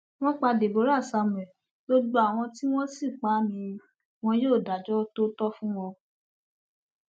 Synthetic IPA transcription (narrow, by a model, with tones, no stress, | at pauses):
w̃ɔ̃˦k͡pa˧de˨bo˨˦ɾa˦˨sa˧mũ˨ɛ˨ | bo˦ɡ͡bo˧˦a˨w̃ɔ̃˧ti˦w̃ɔ̃˦si˦˨k͡pa˨˦mĩ˧ | w̃ɔ̃˦joː˦˨da˨d͡ʒɔ˦to˦tɔ˦fũ˦w̃ɔ̃˧